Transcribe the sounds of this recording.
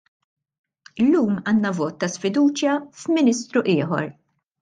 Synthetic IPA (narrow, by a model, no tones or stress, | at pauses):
ɪlːuːmɐːnːɐvɔːt̪ːɐsfɪd̪uːt͡ʃjɐfmɪnɪst̪ɾuʔɪːħɔ̰ɾ